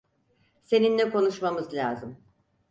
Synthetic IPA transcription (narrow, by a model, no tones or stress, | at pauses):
se̞ninlʲɛkʰo̞nuʃmamɯzlʲaːzɯm